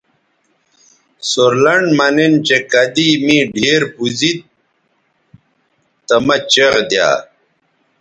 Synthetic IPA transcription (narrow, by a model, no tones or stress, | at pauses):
soɾlɐɳɖmɐnent͡ɕekɐd̪imiɖʱeːɾpuzit̪̚ | t̪ɐmɐt͡ɕeʁd̪ja̰ː